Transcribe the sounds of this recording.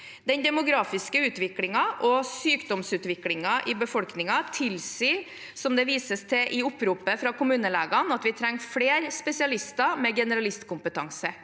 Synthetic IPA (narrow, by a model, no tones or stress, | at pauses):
d̪ɛnd̪ɛmʊɡɾɑːfɪskəʉːt̪ʋɪklɪŋɑʔɔsyːkd̪ɔmsʉːt̪ʋɪklɪŋɑʔɪbəfɔlknɪŋɑt̪ʰɪlsiː | sɔmd̪ɛʋiːsəst̪ʰɛʔɪʊpːɾuːpəfɾɑkʊmʉːnəleːɡɑnɑt̪ʋɪt̪ʰɾɛŋːfleːɾspɛsɪɑlɪst̪ɑmɛɡɛnəɾɑlɪst̪kʊmpət̪ʰɑŋsə